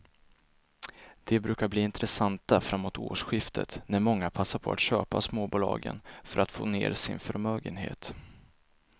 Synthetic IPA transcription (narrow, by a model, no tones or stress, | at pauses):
d̪̥ɛbɾʉ̟ːkabliːɪnt̪ɾɛsant̪afɾamːoːt̪ʰo̰ːʂɧɪft̪ʰət̪næɾmɔŋːapʰasːaɾpʰɔa̰t̪ɕøːpasmoːbuːlɑ̰ːɡə̰nfœɾat̪foːneːɾsɪnfœɾmøːɡənɦḛːt̪